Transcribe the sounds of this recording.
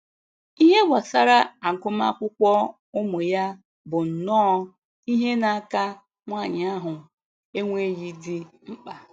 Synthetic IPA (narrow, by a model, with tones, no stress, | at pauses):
i˦ɦe˦ɡʷa˨sa˦ɾa˦a˨ŋ̩˨kʊ˦m˦a̰˦kʷʊ˦kʷɔ˦ | ʊ˦mʊ˨ja˦ | bʊ˨n̩˨nɔː˦ | i˦ɦe˦na˨a˦˨ka˦ | ŋʷa˦˨ɲ˨a˦ɦʊ˨ | e˦ŋʷe˦ji˦di˦ŋ͡m̩˦k͡pa˨